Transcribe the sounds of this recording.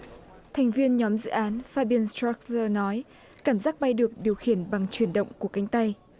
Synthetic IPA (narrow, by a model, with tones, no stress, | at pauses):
t̪ʰa˨˩jŋ̟vi˧ənɲɔ˨˦mzɨ̰˧˨ʔaː˨˦nfaː˧ɓi˧ənst̪a˦˥k̚əː˧nɔ˨˦j | kaː˧˩mzaː˦˥k̚ɓa˧jɗɨ˨˩ək̚ɗi˨˩əwxi˧˩ənɓa˨˩ŋt͡ɕwi˧˩ənɗə̰˧˨wŋ͡mku˧˩əka˨˦jŋ̟t̪a˧j